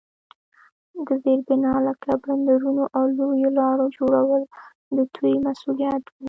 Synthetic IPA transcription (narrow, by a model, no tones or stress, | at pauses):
ɡəzeɾbɪnɑlakabɾand̪aɾunoʔawlojolɑɾod͡ʒoɽawəl | d̪ət̪ʰujmasulijat̪wi